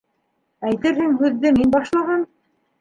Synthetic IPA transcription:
æjt̪ɘɾhɘŋhʉðːɘminbɑʃlˠɑʁɑn

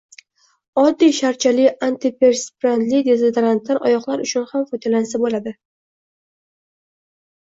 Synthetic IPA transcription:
ɒd̪ːijʃaɾt͡ʃʰalɪant̪ɪpʰe̞ɾspɾand̪lɪd̪ezet̪ɾant̪laɾɒ̰jɒqlaɾʊt͡ʃʰʊnhamfɒt̪ʰelansabolad̪ɪ

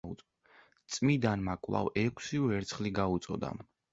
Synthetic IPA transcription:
u | t̪sʼmid̪anmakʼwlˠa̰vɛkʰsiuɛɾt̪sʰχliɡaut̪sʼɔ̰d̪a̰

